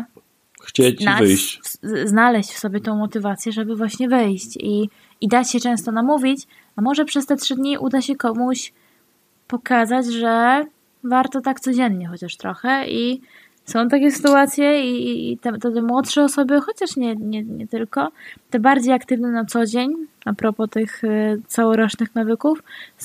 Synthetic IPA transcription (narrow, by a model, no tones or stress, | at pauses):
xt͡ɕena | znalɛɕt͡ɕfsɔbʲjɛt̪ɔ̃w̃mɔt̪ɘvat̪sʲjɛʐɛbɘvwaɕɲɛvɘjɕt͡ɕi | id̪at͡ɕɕɛt͡ʂɛ̃w̃st̪ɔnamuvʲit͡ɕ | amɔʐɛpʂɛst̪ɛtʂɘd̪ɲiʔud̪aɕɛkɔmuɕ | pɔkazad͡ʑʐɛ | vaɾt̪ɔt̪akt̪sɔd͡ʑɛnːɲɛxɔt͡ɕaʂt̪ɾɔxɛi | sɔ̃w̃t̪akʲɛsɘ̥t̪uat̪sʲjɛit̪ɛt̪ɛt̪ɛmwɔtʂɛɔsɔbɘxɔt͡ɕaʂɲɛɲɛɲɛt̪ɘlkɔt̪ɛbaɾd͡ʑejakt̪ɘvnɛnat̪sɔd͡ʑeɲapɾɔpɔt̪ɘxt̪sawɔɾɔt͡ʂnɘxnavɘkuf